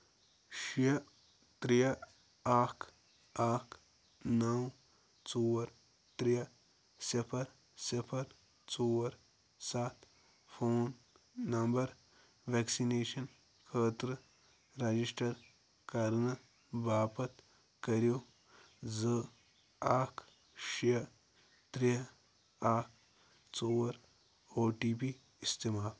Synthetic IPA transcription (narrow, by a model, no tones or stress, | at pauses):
ʃijɐ | t̪ɾijɐ | aːkʰ | aːkʰ | nɐw | t͡soɐɾ | t̪ɾijɐ | sipʰɐɾ | sipʰɐɾ | t͡sowɐɾ | saːt̪ | fʰoːnː | ɐmbɐɾ | ʋɛksineːʃɐn | kʰəːt̪ɾɨ | ɾɐd͡ʒisʈɐɾ | kɐɾnɨ | baːpɐt̪ | kɐɾjoː | zə | aːkʰ | ʃjɐ | t̪ɾi | aːk̚ʰ | t͡soːɐɾ | oːʈiːpiː | st̪imaːl